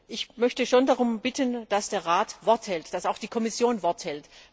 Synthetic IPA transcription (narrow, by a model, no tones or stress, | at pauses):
ʔɪçmœçtəʃoːndaʁʊmbɪtʰənd̥asd̥eːɐʁaːtv̥ɔɐthɛltd̥asaʊxd̥iːkʰɔmɪsjoːnvɔɐthɛlt